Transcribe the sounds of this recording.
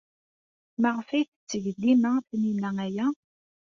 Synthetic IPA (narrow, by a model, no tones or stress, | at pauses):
məʁfiθt͡sːəʝəd̪ːimæθninææjæ